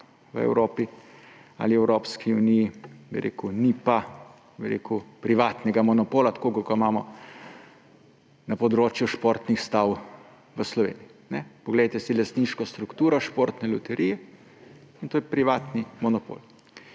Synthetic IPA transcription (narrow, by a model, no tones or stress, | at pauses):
ʋə̰ɛ̰wɾoːpi | a̰liɛwɾoːpskiunijibḭɾḛːkunipa | biɾḛːkupɾiʋaːt̪nɛɡamɔnɔpoːlat̪ḁkokɔkamaːmɔ | napɔd̪ɾoːt͡ʃjuʃpoːɾt̪nixst̪aw | ʋəslɔʋḛːnijiinɛpɔɡlɛjt̪ɛsilast̪niːʃkɔst̪ɾukt̪uːɾɔʃpoːɾt̪nɛlut̪ɛɾijɛ | int̪oːjɛpɾiʋaːt̪nimɔnɔpo̰ːl